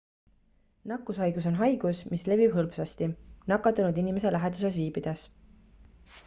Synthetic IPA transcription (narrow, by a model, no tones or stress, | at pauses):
nɑkːˑusɑjɡ̥uso̞nɦɑjɡ̥usmisle̞vib̥ɦɤlbsɑst̪inɑkːˑɑt̪ːˑunud̪inime̞se̞læɦed̪̥use̞sviːbid̪̥es